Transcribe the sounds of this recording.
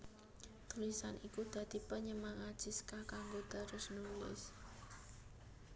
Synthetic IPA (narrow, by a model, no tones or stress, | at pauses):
t̪ulisanʔikud̪̥ä̤d̪̥i̤pəɲəmaŋad̥ʒ̥i̤skakaŋɡod̪̥a̤ɾʊsnulɪ̰s